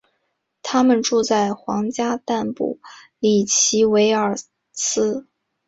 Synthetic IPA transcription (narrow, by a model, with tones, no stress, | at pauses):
t̪ʰa˥mə˨nʈ͡ʂu˥˧t͡sa˥˩ɪxwɑ˧˥ŋt͡ɕja˥t̪a˥˧npṵ˥˩ | li˨˩t͡ɕʰi˧˥we˧˥ɪə˞˨˩ | t͡sʰɹ̩˥